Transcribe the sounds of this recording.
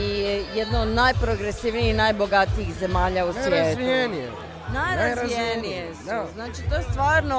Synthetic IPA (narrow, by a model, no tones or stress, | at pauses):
ijejed̪nood̪najpɾoɡɾesiʋniihnajbo̞ɡat̪iixze̞maːʎaussʋjeːt̪ienie | najɾazijenijesznaːt͡ʃit̪ojest̪ʋaːɾno